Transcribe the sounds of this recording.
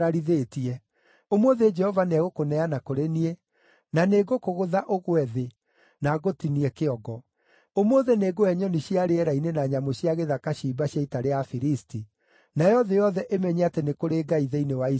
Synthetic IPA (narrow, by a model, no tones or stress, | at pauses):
aɾiðeːtiɛ | omoðed͡ʒɛhɔvaneɛɣokonɛanakoɾenie | naneːɣokoɣoðaʔoɣwɛðe | naɣotiniɛkeɔɡɔ | omoðeneɡoɛɲɔniɕiaɾeɛɾainenaɲamoɕiaɣeðakaɕiːbaɕjaitaɾeafiɾisti | najɔðejɔðɛʔemɛɲeatenekoɾeːɡaiðeinewai